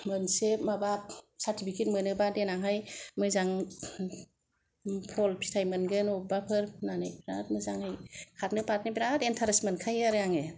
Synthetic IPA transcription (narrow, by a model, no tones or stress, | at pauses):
mɯnsemabap̚satʰipʰikʰet̚mɯnɯbadenaŋɦajmɯzaŋ | pʰɔlpʰi̥tʰajmɯnɡɯnɔbapʰɯɾʰnanɯjbiɾa̰t̚mɯzaŋhajkʰatnɯpat̚nɯbiɾatentʰaɾesmenkʰajaɾɯjaŋe